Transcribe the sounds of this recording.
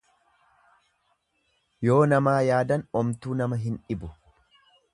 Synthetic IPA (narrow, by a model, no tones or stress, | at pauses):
jo̞ːnɐmaːjaːd̪ɐnɔmt̪uːnɐmɐɦɪnᶑɪbʊ